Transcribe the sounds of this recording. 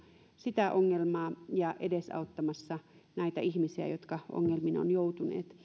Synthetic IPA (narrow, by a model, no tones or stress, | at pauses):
sit̪æʔoŋːelmɑːjɑʔedesɑ̰ot̪ːɑmɑsːɑnæit̪æihmisiæ̰jot̪kɑʔo̰ŋːelmino̰njout̪unḛːt̪